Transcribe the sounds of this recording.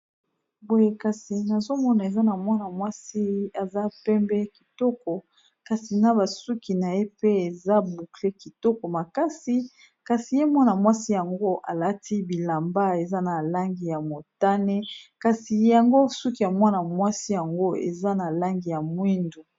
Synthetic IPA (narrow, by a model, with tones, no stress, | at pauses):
bo˦je˦ka˨si˨na˨zo˦mɔ˦na˨e˨za˦na˨mwa˦na˨mwa˦si˦a˨za˦pɛ˦mbɛ˦ki˨tɔ˦kɔ˨ | ka˨si˨na˦ba˨su˦ki˨na˨je˦pe˦e˨za˦bu˨kle˦ki˨tɔ˦kɔ˨ma˨ka˦si˨ | ka˨si˨je˦mwa˦na˨mwa˦si˦ja˨ŋɡo˦ʔa˨la˦ti˦bi˨la˨mba˦e˨za˦na˨la˦ŋɡi˨ja˨mo˨ta˦ne˦ka˨si˨ja˨ŋɡo˦su˦ki˨ja˨mwa˦na˨mwa˦si˦ja˨ŋɡo˦ḛ˨za˦na˨la˦ŋɡi˨ja˨mwi˦ndu˨